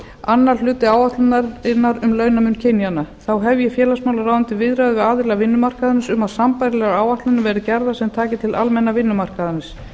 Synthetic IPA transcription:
anːaɾ̥l̥ʏːt̪ɪaːwaht̪lʏnaɾɪnːaɾʏmlœɥnamʏnːcʰɪnjanaθawɦɛvjɪfjɛːlasmaːwlaɾraːwʏnt̪ɪvɪðɾaðʏvɪaːðɪɾlɣavɪnːʏmar̥kaðɪnɪsʏmaðsampajɾɪlɛːɣaaːwaht̪lʏnʏvɛɾɪcɛɾðasɛmt̪ʰaːcɪt̪ʰɪlʔa̰lmɛnːavɪnːʏmar̥kaðanɪs

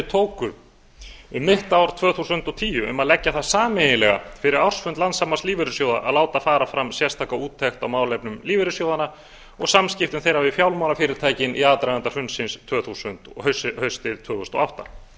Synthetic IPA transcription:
t̪ʰoːwkʏ | ɪmɪht̪aawɾ̥t̪ʰvœːθusʏnt̪ɔt̪ʰiːjʏʏ̰maðlɛcːaθaðsaːmenɪlɛɣa̰fɪɾɪɾawr̥sfʏnt̪lant̪samast̪liːvɪɾʏsjowða̰ʔa̰ðlaːwt̪afaːɾafɾamsjɛst̪ʰaːkauːt̪ʰːɛxt̪awmaːwlɛpnʏmliːvɪɾʏsjoːwðana | ɔɣsamscɪft̪ʏmθejɾavɪðfjawlmawnafɪːɾɪɾ̥t̪ʰaːjcɪnʔḭaːt̪ɾajðant̪ar̥ʏnsɪnst̪ʰvœːθusʏnt̪hshœɥst̪ɪðt̪ʰvœːθusnt̪ɔ̰awht̪a̰

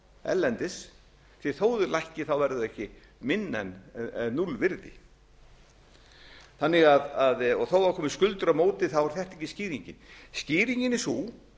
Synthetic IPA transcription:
ɛ̰llɛnt̪ɪs | θɪ̥θoːwðʏlajhcɪθawvɛɾðʏðɛhcɪ | mɪnːɛ̰nːulvɪɾðɪ̰ | θanːɪɣaðaðɔɣθowaɾkʰɔːmɪskʏlt̪ʏɾamoːwt̪ɪθawvaɾ̥θjɛht̪ɛhcɪsciːɾiɲcɪnsciːɾiɲcɪnɪsu

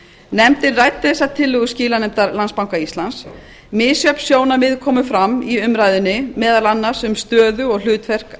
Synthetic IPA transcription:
nɛmt̪ɪɾrajt̪ːɛðɛsat̪ʰɪlːʏɣʏsciːlanɛmt̪aɾlanspawŋkaist̪lans | mɪːsjœpsjoːwnamɪðkʰɔːmʏfɾamiʏmɾaːjðʏnːɪmɛːðalanːaɾ̥sʏmst̪œːðʏɔɣl̥ʏːt̪fɛr̥k

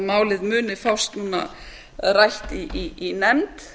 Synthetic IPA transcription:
maːwlɪðmʏːnɪfawst̪nuːna̰ | rajht̪iiinɛmt̪

